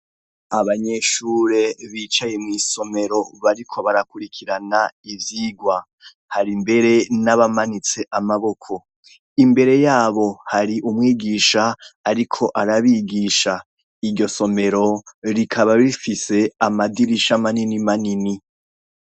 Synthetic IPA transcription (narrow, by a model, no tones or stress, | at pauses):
aβaɲe̞ʃuɾe̞βiːt͡ʃajemŋiːso̞me̞ɾo̞βaɾikʰo̞βaɾakuɾikʰiɾanaiviɡwa | haɾimbe̞ɾe̞naβamanit͡se̞ʔamaβo̞kʰo̞ | imbe̞ɾe̞jaːβo̞haɾiʔumŋiːɡiːʃaːɾikʰo̞ʔaɾaβiːɡiʃa | iɾɟo̞so̞me̞ɾo̞ɾikʰaβaβifise̞amadiɾiʃamaninimanini